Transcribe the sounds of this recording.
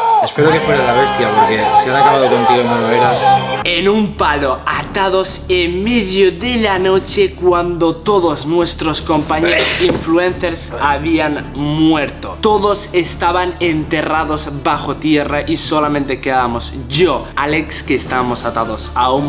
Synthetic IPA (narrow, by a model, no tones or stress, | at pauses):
espeɾokefweɾaelaβest̪jaɣuðjelsianakaβaðokont̪iɣonoloeɾaenumpaloat̪aðosemmeðjoðelanot͡ʃekwand̪ot̪oðoznwest̪ɾoskompaɲeɾosiɱfluẽnθeɾsaβianmweɾt̪ot̪oðosest̪aβanent̪e̞raðozbaxot̪je̞raʔisolamẽnt̪ekeðamosʝoalekskeːst̪aβamo̞sat̪aðosaum